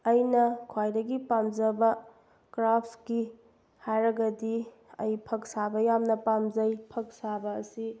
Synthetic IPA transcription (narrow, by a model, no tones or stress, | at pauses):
ɐjnɐkʰwajdɐɡipamd͡ʒɐbɐ | kɾapʰki | hajɾɐɡɐdi | ɐ̰jpʰɐk̚sabɐjamnɐpamzɐjpʰɐk̚sabɐːsi